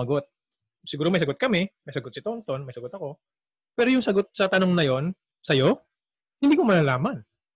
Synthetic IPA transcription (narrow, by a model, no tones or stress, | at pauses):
ɐɡot̪̚ | sɪɡuːɾomɐjsɐɡot̪̚kɐmɛmɐjsɐɡot̪sɪt̪ont̪o̞nmɐjsɐɡot̪ɐko̞ | pɛːɾo̞jʊŋsɐɡo̞t̪̚sɐt̪ɐno̞ŋnɐjo̞n | sɐjo̞ | hɪnd̪iːkomɐlalaːmɐn